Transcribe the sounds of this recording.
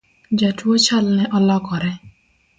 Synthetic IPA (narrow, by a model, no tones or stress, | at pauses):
d͡ʒatwot͡ʃalnɛʔɔlɔkɔɾɛ